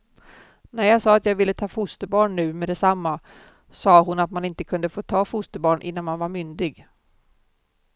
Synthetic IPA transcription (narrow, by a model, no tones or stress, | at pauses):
næɾjɑːɡsɑːat̪jɑːɡvɪlːət̪ʰɑːfʊst̪əbɑːɳːʉ̟ːmɛd̪ɛsamːa | sɑːɦʊnat̪manɪnt̪əkʰɵnd̪əfoːt̪ʰɑːfʊst̪əbɑːɳʔɪ̰nːanmanvaɾmʏnd̪ɪɡ